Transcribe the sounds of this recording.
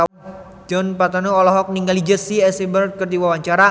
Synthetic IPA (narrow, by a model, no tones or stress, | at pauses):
a | d͡ʒɔnpat̪anoɔlɔɦɔk̚niŋɡalid͡ʒəsiɛsibərt̪̚kərd̪iwawaɲt͡ʃaɾa